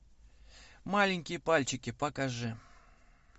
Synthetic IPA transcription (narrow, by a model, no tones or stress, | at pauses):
malʲɪnʲkʲɪjəpalʲt͡ɕɪkʲɪpɐkɐʐɨ